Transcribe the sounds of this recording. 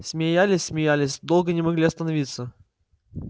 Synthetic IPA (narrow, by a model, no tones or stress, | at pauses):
sʲmʲɪjalʲɪsʲsʲmʲɪjalʲɪsʲd̪olˠɡənʲɪmɐɡlʲiɐst̪ənɐvʲit̪sːə